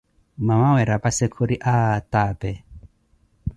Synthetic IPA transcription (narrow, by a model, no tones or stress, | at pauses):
mamawɛɾabasɛkʰoɾiʔatabɛ